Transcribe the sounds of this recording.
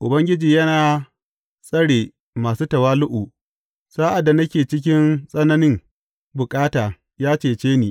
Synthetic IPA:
ʔʊ˨bɐ˦ŋɡʲɪ˦d͡ʒiː˨jɐ˦naː˨ | sʼɐ˦ɽeː˨ | maː˨suː˦tɐ˨waː˦lʊ˦ʔu˨ | saː˦ʔa˨dːa˨nɐ˦kʲeː˨t͡ʃɪ˦k̬ʲɪ˦nsʼɐ˦nɐ˦nɪ˦ŋ | bʊ˨kʼaː˦taː˨ | jaː˦t͡ʃeː˨t͡ʃeː˦niː˨

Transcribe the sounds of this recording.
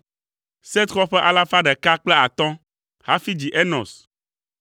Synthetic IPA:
se˦t̪xɔ˦ɸɛ˦ʔa˦la˦fa˦ɖɛ˨ka˦k͡plɛ˦a˨t̪ɔ̃˦ | ha˦fi˦d͡ʑi˨ʔe˦nɔ̰̃˨s

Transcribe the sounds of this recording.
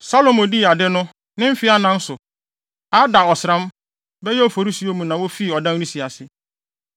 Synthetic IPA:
sa˦lo˨mo˨di˦˨a˨dɪ˦nʊ̃˦ | nɪ̃˦m̩˦fɪ˦a˦nã˦n̩˦sʊ˨ | a˦da˨ɔ˨sɪ˨ɾã˦m˦ | bɛ˦jɛ˦ɔ˨fo˨ɾi˦si˨o˦mũ˨nã˨wo˦fi˦˨ɔ˨dã˦n˦ɾĩ˦si˨a˨sɪ˦

